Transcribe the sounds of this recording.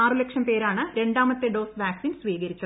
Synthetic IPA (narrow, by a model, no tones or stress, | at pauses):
aːrɨlekʂɐmpe̞ːɾaːɳɨɾe̞ɳɖaːmɐt̪ːeɖo̞ːsʋaːksiːnsʋiːɣɐɾit͡ɕːɐðɨ